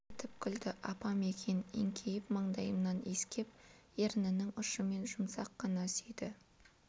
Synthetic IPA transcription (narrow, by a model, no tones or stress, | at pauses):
t̪ʰɪpkʲʰʏld̪ɪʔɑpɑmekʲʰe̞nḛŋkʲʰejɪpmɑɴd̪ɑjəmnɑneskʲe̞p̚ | eɾnɪnɪŋʊʃəme̞nʒʊmsɑqːɑnɑsejd̪ɪ